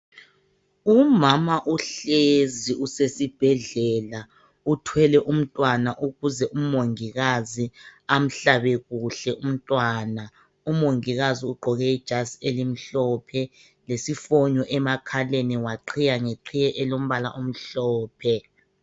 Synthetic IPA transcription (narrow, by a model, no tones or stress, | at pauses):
umamaʔuɬeziusesib̥ʱɛɮɛla | utʰwɛlɛʔum̩tʼwanaʔuɣuzɛʔumoŋiɣaziam̩ɬaβɛɣuɬɛʔum̩tʼwaːna | umoŋiɣaziuɡ͡ǃʱɔɣɛid̥ʒ̥ʱaselim̩ɬɔːpʰɛ | lesifoɲɔʔɛmakʰaleniwaǃʰijaŋeǀʰijɛʔɛlom̩βala̰ʔom̩ɬɔːpʰɛ